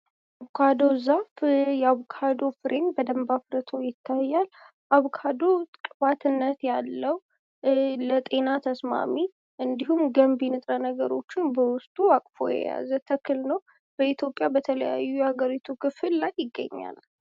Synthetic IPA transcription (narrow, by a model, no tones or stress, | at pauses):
ʔaβkʰad̪ozafjɛaβkʰad̪o̞fɨɾʔenbəd̪əmbafɾət̪ʰo̞jɪt̪ʰːajːal | ʔaβkʰad̪o̞t̪ʼkʼɨbat̪ʰɨnːət̪jalːəw | lət̪ʼe̞nat̪ʰəsma̰mi | ʔɨnd̪iɦumɡəmbinɨt̪ʼɾənəɡəɾo̞̰t͡ʃːɪnbəwʊst̪ʼuakʼfo̞̰jɛ̰ja̰zət̪ʰəkʰːɨlnəw | b̥əit̪ʰjopʼːjabət̪ʰələ̰ja̰jːujɛhaɡəɾit̪ʰukʰɨfɨlːajːɪɡːə̰ɲːa̰l